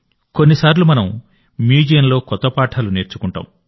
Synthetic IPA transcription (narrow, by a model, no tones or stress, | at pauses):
ko̞nːisaːɾlumɐnɐm | miːd͡ʒijɐnlo̞ːkɔt̪ːɐpaːʈʰaːlune̞ːɾt͡ʃu̥kuɳʈa̰ːm